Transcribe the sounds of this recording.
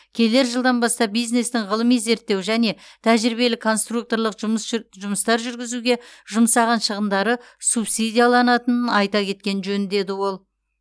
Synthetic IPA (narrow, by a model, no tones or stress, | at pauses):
kʲʰe̞le̞ɾʒəlˠd̪ɑnbɑst̪ɑp̚bijzne̞st̪ɪŋʁəlˠəmijze̞ɾt̪ːe̞wʒæne̞t̪ʰæʒɾibe̞lɪkʰo̞nst̪ruk̚t̪o̞ɾlˠəqʒʒʊməst̪ɑɾʒʏɾɡʲɪzuɡʲe̞ʒʊmsɑʁɑnʃəʁəmd̪ɑɾə | supsid̪ijɑlˠɑnɑt̪ənənɑjt̪ɑkʲʰe̞t̪̚kʲe̞nʒɵnd̪e̞d̪ɪwo̞lˠ